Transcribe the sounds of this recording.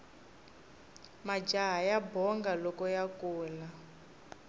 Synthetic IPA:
mad͡ʒaɦajabɔŋɡalɔkɔjakuːla

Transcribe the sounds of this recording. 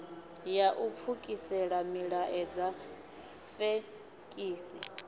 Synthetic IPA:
jaʔup̪fʰukʼisɛɺamiɺaʔɛd͡za | fe | kʼiːsi

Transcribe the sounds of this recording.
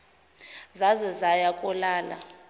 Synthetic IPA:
zazɛzajakʼɔlaːla̰

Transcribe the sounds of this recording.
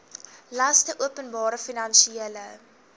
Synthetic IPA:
lɐstəʔuəpənbɑːɾəfinɐnʃieələ

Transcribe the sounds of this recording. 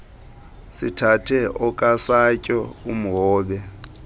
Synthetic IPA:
sitʰatʰɛɔkʼasacʼɔum̩ɦɔːɓɛ

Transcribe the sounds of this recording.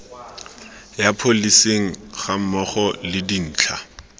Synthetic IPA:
japʰoliseŋ̩χamɔχɔlɪdin̩ːt͡ɬʰa

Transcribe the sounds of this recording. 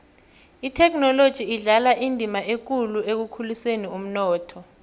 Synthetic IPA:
itʰɛkʰnɔlod̥ʒ̥ʱiːɮalaʔindʱimaʔek̬uluek̬ukʰulusenium̩nɔːtʰɔ

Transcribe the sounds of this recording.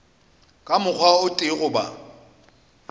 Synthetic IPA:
kʼamʊk͡xʰwaʊtʼɪɣʊba̰

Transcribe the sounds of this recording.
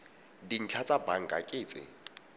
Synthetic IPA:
din̩t͡ɬʰat͡sʼabaŋ̩ɡʼakʼɪːt͡sʼɪ̰

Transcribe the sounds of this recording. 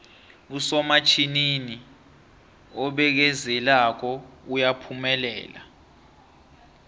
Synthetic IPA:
usɔmat͡ʃʰinini | ɔɓɛk̬ɛzɛlak̬ɔujapʰumɛlɛ̰ːla̰

